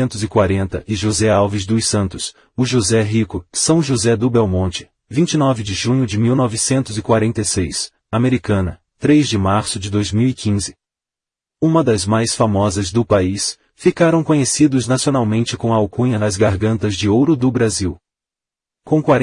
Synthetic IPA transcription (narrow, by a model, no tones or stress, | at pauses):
ẽnt̪ʊzɪkwaɾẽnt̪ɐʔɪʒozɛawvɪzd̪ʊsɐ̃nt̪ʊs | ʊʒuzɛɦikʊsɐ̃w̃ʒuzɛd̪ʊbɛwmõnt͡ʃɪ̥ | vĩnt͡ʃɪnɔvɪd͡ʒɪʒũɲʊd͡ʒɪmiwnɔvɪsẽnt̪ʊzɪkwaɾẽnt̪ejsejs | ameɾikɐ̃nɐ | t̪ɾezd͡ʒɪmaɾsʊd͡ʒɪd̪ojzmiwikʰĩzɪ | ũmɐd̪ɐzmajsfamɔzɐzd̪ʊpais | fikaɾɐ̃w̃kõɲesid̪ʊznasionawmẽnt͡ʃɪkõw̃ɐawkũɲɐnɐzɡaɾɡɐ̃nt̪ɐzd͡ʒɪowɾʊd̪ʊbɾaziw | kõw̃kwaɾ